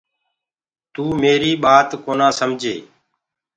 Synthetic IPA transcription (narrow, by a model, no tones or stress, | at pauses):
t̪uːmeːɾiːɓaːt̪koːnãːsəmd͡ʒʱeː